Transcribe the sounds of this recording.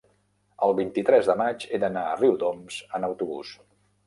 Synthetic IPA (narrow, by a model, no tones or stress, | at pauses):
əlˠβint̪it̪ɾɛzðəmad͡ʒeðənaəriwd̪omz̥ənəwt̪uβṵs